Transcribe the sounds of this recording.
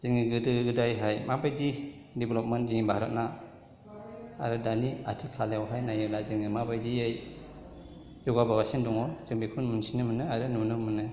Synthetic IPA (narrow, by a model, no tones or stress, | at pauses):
z̥iŋiɡɯdɯɡɯdajɦajmabajdi | diblɔp̚mentziŋibʱaɾat̚na | ɾɯdania̰tʰikʰːalewɦajnajɯlazɯŋɯmabajdiej | zuɡababasindɔŋɔz̥ɯŋbikʰunmunsinɯmɯnɯaɾɯnunɯmɯnɯ